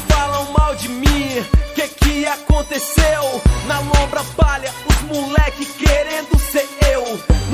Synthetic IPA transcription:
falɐ̃w̃mawd͡ʒɪmĩkɪkɪakõnt̪esewnɐlõbɾɐpaʎɐʊzmulɛkɪskeɾẽnd̪ʊseɾewn

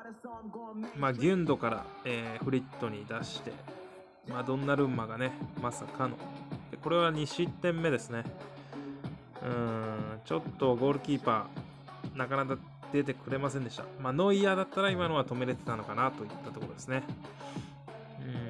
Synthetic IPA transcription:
maːɡʲɯ̟̃nd̪o̞kaɾa̰eːɸɯ̟ɾʲit̪ːo̞ɲ̟id̪aɕi̥t̪e̞̰ | maːd̪õ̞nːaɾɯ̟mːaɡane̞masakano̞̰d̪̥e̞ko̞ɾe̞βaɲ̟iɕit̪ːẽ̞mːe̞d̪e̞sɨne̞ | ɯ̟̃ːt͡ɕo̞t̪ːo̞ɡo̞ːɾɯ̟kʲiːpaː | nakanaka | d̪̥e̞t̪e̞kɯ̟ɾe̞masẽ̞nd̪ei̥t̪a̰maːno̞ijad̪at̪ːaɾaimano̞βat̪o̞me̞ɾe̞t̪e̞t̪ano̞kanat̪o̞ɯt̪ːat̪o̞ko̞ɾo̞d̪esɨne̞ | ɯ̟̃

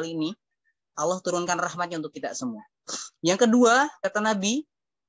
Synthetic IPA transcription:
liːni | ʔalːaht̪uɾʊnkanrahmat̪̚ɲaunt̪ʊk̚ːit̪a̰ʔsəmua | jaŋkəduakat̪anabi

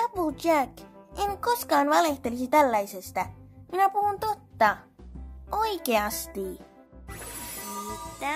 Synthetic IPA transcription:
ɑpud̪ækeŋko̞skɑːnʋɑle̞ht̪e̞lisit̪ælːɑjse̞st̪æminæpuhunt̪o̞t̪ːɑ | oijkeɑst̪i | t̪æ

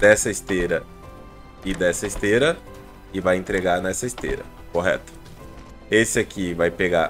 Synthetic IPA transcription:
d̪ɛsɐist̪eɾɐ | ɪd̪ɛsɐist̪eɾɐ | ɪvajẽnt̪ɾeɡaɾnɛsɐɪst̪ḛɾɐ̰ | koɦɛ̰t̪ʊ̥ | esɪakʰivajpeɡa

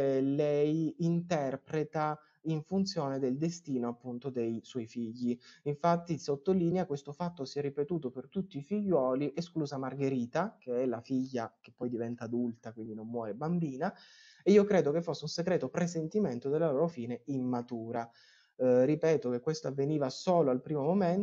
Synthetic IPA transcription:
lɛjint̪ɛrpɾet̪a | iɱfunt̪sjoːned̪eld̪est̪iːnoapːunt̪od̪ejswɔjfiʎːiiɱfat̪ːisot̪ːoliːnjakwest̪ofat̪ːosiɛrːipet̪uːt̪opert̪ut̪ːiːfiʎːwɔːliʔeskluːzamarɡeɾiːt̪akeɛlafiʎːak̟epːɔjd̪ivɛnt̪aːd̪ult̪akwind̪inomːwɔːɾebambiːna | eiːokɾeːd̪ok̟efːosːeunseɡɾɛːt̪opɾesent̪iment̪od̪elːaloːɾofiːneimmat̪uːɾa | ripɛːt̪ok̟ekːwest̪oavːeniːvasoːloalpɾiːmomomen

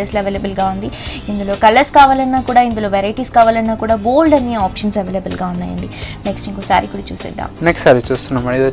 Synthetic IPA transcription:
ɐsloɐʋeːlɐbɐlɡaːund̪iind̪ulo̞ːkɐlɐɾskaːʋaːlɐnːaːkuːɽaːind̪ulo̞ːʋeɾɐjʈiːskaːʋaːlɐnːaːkuːɽaːboːlɖɐnːiaːpʂɐnsɐʋeːlɐbɐlɡaːunːaːjɐ̰ɳɖineksʈiŋkosa̰ːɾikuːɽaːt͡ʃṵːsḛd̪a̰ːmneksʈsaːɾit͡ʃuːst̪unːɐmːɐɽid̪o

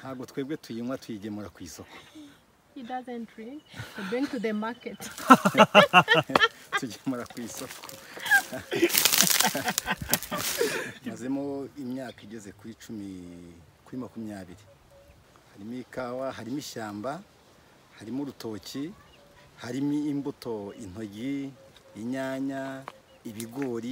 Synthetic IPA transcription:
nhaːbɡotwe̞ːɡwe̞twiːmwatwiɟemuɾakwiːso̞ko̥ | hidazɛ̃ntɹĩŋibĩŋtuðəmaket | tuɟemuɾakwiːsokʰo̥ | aze̞moimɲaːkaiɟeze̞kuɾit͡ʃumi | kuɾimakumijaːβiɾi | haɾimikawaɦaɾimiʃaːmba | haɾimuɾuto̞ci | haɾimiːmbuto̞in̥o̞ɟiː | ɲaːɲa | iβiɡo̞ːɾi

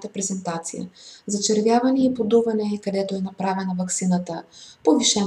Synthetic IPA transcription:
t̪əpɾɛzɛnt̪at̪sijə̰zɐt͡ʃɛɾvjavɐnɛipod̪uvɐnɛkɐd̪ɛt̪oɛnɐpɾavɛnɐvɐksinət̪əpoviʃɛ

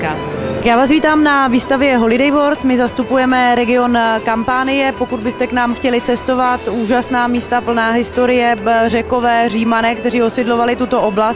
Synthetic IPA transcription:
kjaːvaːs̬viːt̪aːmnaviːst̪avjɛɦo̞lɪdɛjvoɾt̪mɪzast̪upujɛmɛɾɛɡɪo̞nkampaːnɪjɛpo̞kud̪bɪst̪ɛknaːmxcɛlɪt͡sɛst̪o̞vat̪uːʒasnaːmiːst̪apl̩naːɦɪst̪o̞ɾɪjɛr̝ɛko̞vɛːriːmanɛːkt̪ɛriːosɪdlovalɪt̪ut̪o̞ʔo̞blast̪

